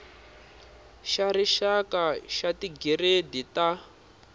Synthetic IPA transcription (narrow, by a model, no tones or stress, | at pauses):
ʃaɾiʃakaʃatiɡiɾedita